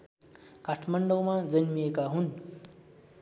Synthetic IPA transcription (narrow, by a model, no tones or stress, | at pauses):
kaʈʰmʌɳɖʌwmad͡zʌnmijekaɦun